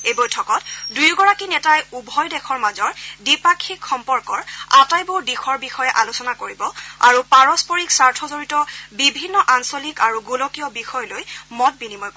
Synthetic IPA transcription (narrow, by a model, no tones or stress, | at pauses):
ejbɔjtʰɔkɔtdujɡɔɹakinɛtajubʱɔjdɛkʰɔɹmazɔɹdipakʰːikxɔmpɔɹkɔɹatajbuɹdixɔɹbixɔjɛʔalusɔnakoɹibɔa̰ɹupaɹɔspɔɹiksaɹtʰɔzoɹitɔbibʱinːɔʔansolikaɹuɡulɔkijɔbixɔjɔlojmɔt̚binimɔj